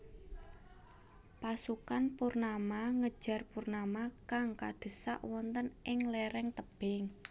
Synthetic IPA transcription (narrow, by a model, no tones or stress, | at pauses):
pasukanpurnamaŋə̥ʒ̥a̤rpurnamakaŋka̰d̪̥ə̤sa̰ʔwɔnt̪ənʔɪŋlɛɾɛŋt̪əb̥ɪŋ